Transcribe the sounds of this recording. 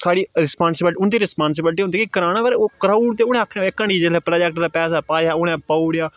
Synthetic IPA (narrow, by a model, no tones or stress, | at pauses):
saːɽiːɾɪspãːnsɪbəlʈʊnd̪iːɾɪspãːns̬ɪbəlʈiːɦʊnd̪eːkikəɾaːnãːbaːɾeoːkɾaːuɽd̪eːʊɽ̃ɛ̃ːəkʰːnːeːkəɳiːd͡ʒeːlɛːpɾaːd͡ʒɛkʈd̪aːpɛːsaːpaːjaːʊɽɛ̃ːpaːuɽjaː